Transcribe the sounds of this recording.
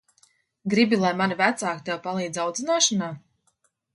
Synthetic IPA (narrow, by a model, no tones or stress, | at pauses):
ɡɾibilˠajmanivæt̪saːkt̪ɛwpalˠiːd̪zawd̪zinaːʃanaː